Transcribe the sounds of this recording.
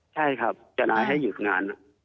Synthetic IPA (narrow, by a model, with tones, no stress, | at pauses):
t͡ɕʰa˥˩jkʰa˦˥˩p̚t͡ɕa˧laː˧jɦa˥˩jːuː˨˩t̪̚ŋaː˧nʔa˨˩